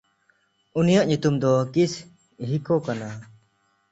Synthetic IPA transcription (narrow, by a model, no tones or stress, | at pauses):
unijaʔɲut̪umd̪ɔkis | ɦikɔkana